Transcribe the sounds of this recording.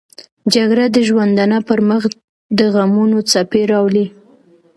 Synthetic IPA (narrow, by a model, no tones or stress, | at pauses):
d͡ʒaɡɾad̪əʒwand̪anapəɾməx | d̪əɣamunot͡sapeɾɑwli